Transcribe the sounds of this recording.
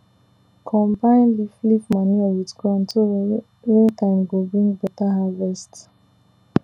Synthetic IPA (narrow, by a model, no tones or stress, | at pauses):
kʰɔ̃mbãɪ̃nliflifmanuawitkuãntʰo | etʰãɪ̃mɡobɹĩŋɡbɛtaɦavɛst